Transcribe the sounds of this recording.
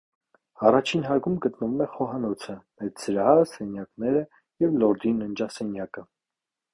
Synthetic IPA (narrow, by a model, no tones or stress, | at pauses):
ɑrɑt͡ʃʰinɦɑɾɡumɡət̪nəvumɛχɔɦɑnɔt͡sʰəmɛt̪t͡səɾɑsɛnjɑknɛɾə | jɛvlɔɾd̪inənd͡ʒɑsɛnjɑkə